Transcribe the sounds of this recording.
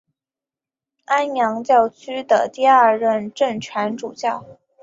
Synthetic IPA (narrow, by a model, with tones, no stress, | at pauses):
a˥njɑ˧˥ŋt͡ɕjɑ˥˩ʊt͡ɕʰy˥d̪ə˨t̪i˥˧a˞˥˧ɻə˥˧nʈ͡ʂə˥˩ŋt͡ɕʰɥa˧˥nʈ͡ʂu˨˩t͡ɕjɑ˥˩ʊ